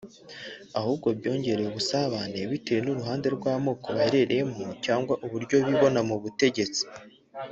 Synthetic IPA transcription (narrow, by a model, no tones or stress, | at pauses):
ahuːbɡo̞bjo̞ːɲɟe̞ɾe̞uβusaβane̞βitejenuɾuɦaːnde̞ɾɡwaːmo̞ːko̞βaheɾe̞ɾe̞je̞mucaːŋɡwaʔuβuɾɟo̞βiβo̞namuβute̞ɟe̞t͡si̥